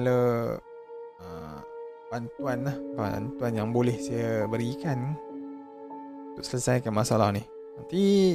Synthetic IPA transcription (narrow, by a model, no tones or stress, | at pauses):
alə | ə̰mbant̪uanlahba̰nt̪uanjaŋbolɛhsajabəɾikan | unt̪ʊʔsələsajkanmasalahnih | nant̪i